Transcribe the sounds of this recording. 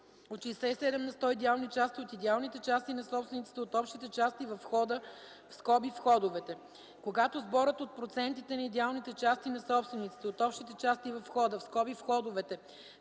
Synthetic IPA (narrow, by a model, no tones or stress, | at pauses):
ot̪ʃijsɛisɛd̪ɛmnɐst̪ɔid̪ɛalˠnit͡ʃast̪iot̪id̪ɛalˠnit̪ɛt͡ʃast̪inɐsɔpst̪vɛnit̪si̥t̪ɛot̪ɔpʃt̪it̪ɛt͡ʃast̪ivɐfxɔd̪ə | fskɔbifxɔd̪ovɛt̪ɛ | koɡat̪ozbɔɾət̪ot̪̚pɾot̪sɛnt̪it̪ɛnɐid̪ɛalˠnit̪ɛt͡ʃast̪inɐsɔpst̪vɛnit̪si̥t̪ɛot̪ɔpʃt̪it̪ɛt͡ʃast̪ivɐfxɔd̪əfskɔbifxɔd̪ʊvɛt̪ɛ